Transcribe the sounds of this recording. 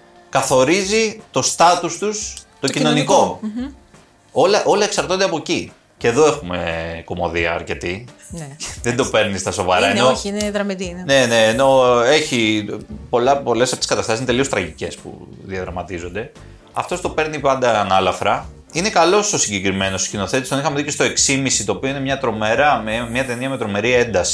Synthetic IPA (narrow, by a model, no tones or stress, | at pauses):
kɐθo̞ɾizit̪o̞st̪ɐt̪ust̪ust̪o̞cino̞niko̞ | o̞lɐʔo̞lɐeksɐɾt̪o̞nd̪eɐpo̞ci | ce̞ðo̞e̞xume̞ko̞mo̞ðiɐ̰ːɾce̞t̪inðend̪o̞pe̞ɾnist̪ɐso̞vɐɾɐennonðɾɐmiine̞ne̞ːno̞e̞çipo̞lɐpo̞lesɐpoi̥skɐt̪ɐst̪ɐsint̪elio̞st̪ɾɐʝice̞spṵðiɐðɾɐmɐt̪izo̞nd̪e̞ | ɐ̰ft̪o̞st̪o̞pe̞ɾnipɐnd̪ɐnɐlɐfɾɐ | ine̞kɐlo̞so̞siɲɟekɾime̞noscino̞θe̞t̪ist̪onixɐmeðicest̪o̞e̞ksimisit̪o̞ːpioinemɲɐt̪ɾo̞meɾɐmemɲɐt̪e̞niɐme̞t̪ɾo̞me̞ɾie̞nd̪ɐsi̥